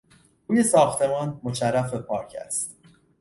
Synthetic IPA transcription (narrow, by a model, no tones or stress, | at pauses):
uːje̞sɒːxt̪ʰe̞mɒːnmot͡ʃærːæfepʰɒːɾcʰæ̰st̪